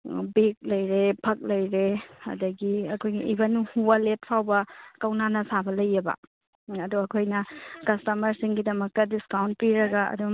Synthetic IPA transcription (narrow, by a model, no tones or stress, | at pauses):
bek̚lɐjɾepʰɐk̚lɐjɾeɐ̰dɐɡiɐkʰojɡiʔibɐnuhubɐlet̚pʰawbɐkɐwnanɐsabɐlɐjːɐbɐ̰ | ɐduɐkʰojnɐkɐstɐmɐɾsiŋɡidɐmɐk̚tɐdiskawnt̚piɾɐɡɐɐ̰du